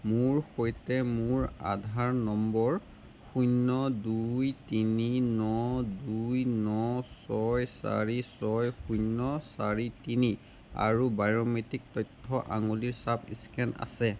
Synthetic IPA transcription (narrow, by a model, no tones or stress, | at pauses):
muɹxojtɛmʊɹa̰dʱaɹnɔmbɔɹ | xujnɔdujtininɔdujnɔsɔjsa̰ɹisɔjxujnːɔsaɹitini | a̰ɹubaɹɔmetik̚tɔjtʰːɔʔa̰ŋuliɹsapʰḭskɛna̰sɛ